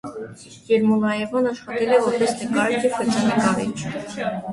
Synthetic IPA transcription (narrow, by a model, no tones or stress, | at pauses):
jɛɾmulɑɛvɔnɑʃχɑt̪ɛlɛvɔɾpɛsnəkɑɾit͡ʃʰjɛvxət͡ʃʰɑnikɑɾḭt͡ʃʰ